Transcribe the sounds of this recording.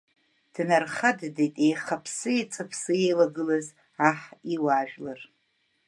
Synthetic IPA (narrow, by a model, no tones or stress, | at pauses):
d̥narχaddetʼejχapʰsɨit͡sʼapʰsɨejlaɡɨlaz | aħiwaːʒᶣlar